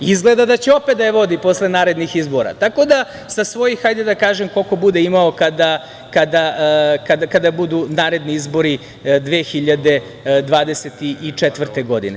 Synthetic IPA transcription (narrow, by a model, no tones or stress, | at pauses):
izɡled̪ad̪at͡ɕeo̞pet̪̚d̪ajeʋo̞d̪ipo̞sle̞naːɾed̪nixizbo̞ɾa̰t̪ako̞d̪a | sasʋo̞jixajd̪ed̪akaːʒemko̞lko̞bud̪eimaokad̪a | kad̪akad̪akad̪abud̪unaːɾe̞d̪niizbo̞ɾi | d̪ʋeːxiʎad̪e̞ | d̪ʋaːd̪e̞set̪iʔit͡ʂɛt̪ʋr̩t̪eɡo̞d̪ḭne